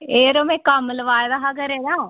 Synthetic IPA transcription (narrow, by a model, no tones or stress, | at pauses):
eːɾoːmɛ̃ːkəmləʋaːɾəɦaːkəɾeːnaː